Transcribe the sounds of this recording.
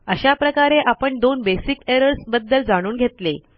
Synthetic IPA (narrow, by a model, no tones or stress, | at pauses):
əɕapɾəkaɾeʔapəɳd̪onbesikeɾəɾsbəd̪ːəld͡zaɽ̃uːnɡʱet̪le